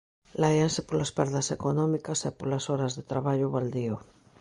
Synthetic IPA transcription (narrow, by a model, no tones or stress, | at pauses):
lajansepolaspɛɾðasekonɔmikasepolasoɾazðet̪ɾaβaʎoβald̪io